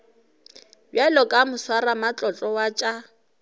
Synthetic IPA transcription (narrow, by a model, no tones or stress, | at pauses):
bjalɔkʼamʊswaramat͡ɬʼɔt͡ɬʼɔwat͡ʃʼa